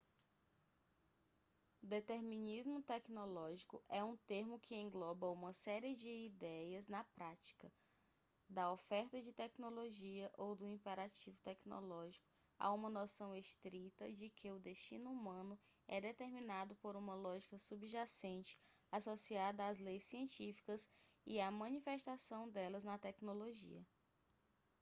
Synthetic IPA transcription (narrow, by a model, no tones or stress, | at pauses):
d̪et̪eɾmĩnizmʊt̪ɛknolɔʒikʊ̰ʔɛũt̪eɾmʊkʰɪẽŋɡlɔbɐũmɐsɛɾiɪd͡ʒɪid̪ɛjɐznɐpɾat͡ʃi̥kɐ | d̪ɐofɛɾt̪ɐd͡ʒɪt̪ɛknoloʒiɐʔowd̪ʊĩpeɾat͡ʃivʊt̪ɛkno̰lɔʒikʊ̥ | a̰ũmɐnosɐ̃w̃est̪ɾit̪ɐd͡ʒɪkʰɪʊd̪eʃt͡ʃĩnʊumɐ̃nʊ | ɛd̪et̪eɾmĩnad̪ʊpoɾũmɐlɔʒikɐsubʒasẽnt͡ʃɪ̥asosiad̪ɐazlejsːiẽnt͡ʃifi̥kɐsiamɐ̃nifeʃt̪asɐ̃w̃d̪ɛlɐznɐt̪ɛknoloʒḭɐ